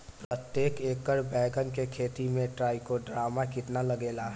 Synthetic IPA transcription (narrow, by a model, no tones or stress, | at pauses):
pɾət̪jeːkeːkəɾbɛːɡənkekʰeːt̪imẽʈɾaːikoɖɾaːmakɪt̪nalɐɡeːlaɦ